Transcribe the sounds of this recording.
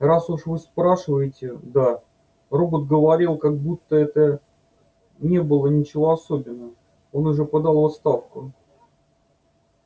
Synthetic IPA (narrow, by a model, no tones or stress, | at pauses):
rasuʂvɨspɾaʂɨvəjɪtʲɪd̪a | robət̪̚ɡəvɐɾʲilˠkaɡ̚but̪ːəɛt̪ə | nʲe̞bɨlˠənʲɪt͡ɕɪvo̞ɐsobʲɪnːə | o̞nʊʐɛpɐd̪ɑlˠvɐt̪st̪afkʊ